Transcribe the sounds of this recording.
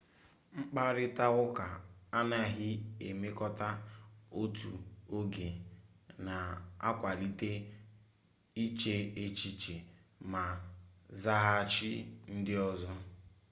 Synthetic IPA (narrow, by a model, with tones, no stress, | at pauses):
ŋ͡m̩˦k͡pa˦ɾɪ˦ta˦ɣʊ˦ka˨a˦na˦˨ɦɪ˦e˨me˦kɔ˦ta˦o˦tṵ˨o˦ɡe˨ | na˨a̰˦kʷa˨li˦te˦ | i˦t͡ʃe˦e˦t͡ʃi˦t͡ʃe˨ | ma˨za˦ɦa˦a˨t͡ʃɪ˦n̩˦dɪ˦ɔ˦zɔ˦